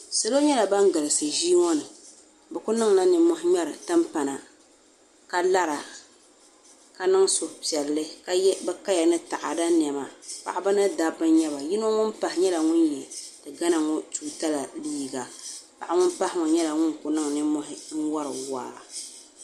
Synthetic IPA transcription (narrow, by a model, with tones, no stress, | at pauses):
sa˦lo˦ɲɛ˦la˨ba˦ŋɡɨ˨lɨ˨sɨ˨ʒi˦ŋɔ˦nɨ˨ | bɛ˨kʊ˦nɨ˦ŋna˦nɨ˨mɔ˦hɪ˦ɲɛ˦ɾɨ˨ta˦mpa˨na˨ | ka˦la˦ɾa˨ | ka˦nɨ˦ŋsʊ˨pi˨ɛ˨lːɨ˦ka˦jɛ˦bɛ˦ka˦ja˨nɨ˦ta˨ʔa̰˨da˦n˨ɛ˨ma˨pa˨ʔa˦bɨ˦nɨ˦da˦bɨ˦nɲɛ˦ba˨ji˦no˦ŋʊ˦npa˨hɪ˨ɲɛ˦la˨ŋʊ˦njɛ˨d̥ɨ˨ɡa˦na˨ŋɔ˦tuː˦ta˦la˨liː˦˨ɡa˨pa˨ʔa˦ŋʊ˦npa˦hɪ˦ŋɔ˨ɲɛ˦la˨ŋʊ˦nkʊ˨nɨ˦ŋ˨nɨ˦mɔ˦ɦɪ˦wa˦ɾɨ̰˨wa̰ː˦